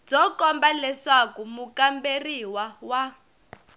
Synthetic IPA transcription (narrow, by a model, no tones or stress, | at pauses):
d͡zɔkɔmbalɛʂakumukamberiwawa